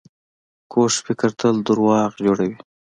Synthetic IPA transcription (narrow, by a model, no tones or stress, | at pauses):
kʰoʂfɪkəɾt̪ʰəld̪uɾwɑːqd͡ʒoːɽawi